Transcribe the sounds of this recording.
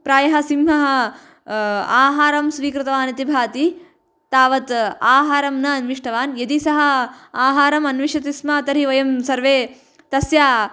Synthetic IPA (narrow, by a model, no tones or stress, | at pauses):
pɾaːjɐɦɐ̆simɦɐɦɐ | aːɦaːɾɐmsʋiːkɾɪt̪ɐʋaːnɐt̪ibʱaːt̪i | t̪aːʋɐt̪aːɦaːɾɐmnɐːnʋiʂʈɐʋaːnjɐd̪isɐɦɐ̆aːɦaːɾɐmɐnʋiʂɐt̪ismat̪ɐɾiʋɐjɐmsɐɾʋeː | t̪ɐsjaː